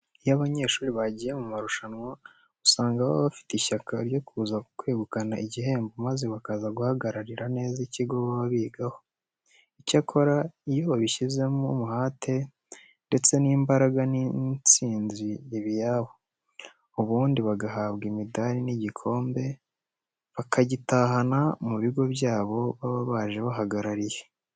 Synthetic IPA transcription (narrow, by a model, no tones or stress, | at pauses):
jaβaɲe̞ːʃuːɾiβaɟijemumaɾuʃanwa | usaːŋɡaβoβafi̥tiʃakʰaɾjo̞kuːzakkweːɡukanaʔiɟihe̞ːmbumaze̞βakazaɡuhaɡaɾaɾiɾane̞ːziciɡo̞βaβaβiːɡaho̞ | icakʰo̞ɾaijo̞βiʃize̞mumuhaːtʰe̞ | nde̞t͡se̞niːmbaɾaɡanit͡siːnzieβijaːβo | uβuːndiβaɡaɦaβɡimidaɾiniɟikʰo̞ːmbe̞ | βakʰaɟitaːhanamuβiɡo̞βjaːβo̞βaβaβaːʒe̞βaɦaɡaɾaɾije